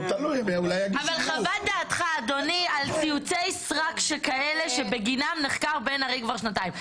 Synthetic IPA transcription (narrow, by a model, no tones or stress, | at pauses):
t̪alujmeulajaɡavalχavad̪aːt̪χaːdo̞nialt͡siut͡sejsʁakʃekaele̞ʃe̞be̞ɡinamneχkaʁbe̞naʁejkvaʁʃnataimm